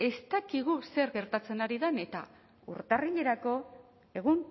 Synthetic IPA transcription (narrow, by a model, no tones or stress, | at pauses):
e̞st̪akiɣuse̞ɾɣe̞ɾt̪at͡se̞naɾiðene̞t̪a̰ | ṵɾt̪ariʎe̞ɾako̞ | e̞ɣ̞un